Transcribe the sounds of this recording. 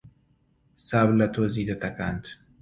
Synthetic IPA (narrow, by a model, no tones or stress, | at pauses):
saβlɐt̪ʰozid̪ɐt̪ʰɐka̰nt̪